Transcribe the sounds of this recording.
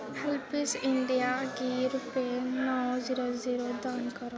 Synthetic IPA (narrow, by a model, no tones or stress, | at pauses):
hɪlpɪsɪɳɖijaɡiːɾʊpenɔːziɾoziɾod̪aːnkəɾo